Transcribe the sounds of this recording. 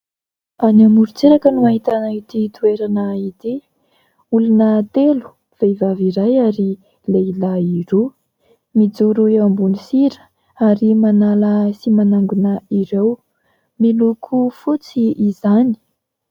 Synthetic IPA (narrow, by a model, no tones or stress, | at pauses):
anamuɾut͡seɾakənumaɦit̪anait̪it̪ueɾanait̪i | ulunət̪elu̥ | v̥evaviɾajaɾi | leilaiɾo | mid͡zuɾuiambunisiɾə̥ | aɾimanaləsimanaŋɡunəiɾew | milukʰufut͡siːzani̥